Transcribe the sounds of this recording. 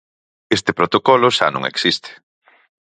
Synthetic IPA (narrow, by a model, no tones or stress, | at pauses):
est̪epɾot̪okɔloʃa̰nõ̰ŋḛksist̪e̥